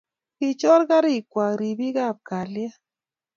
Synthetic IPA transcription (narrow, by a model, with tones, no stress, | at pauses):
ki˨t͡ʃɔ˦ɾka˦ɾi˦˨kwa˨ɾi˨bi˦ɡa˦˨p̚ka˨lja˦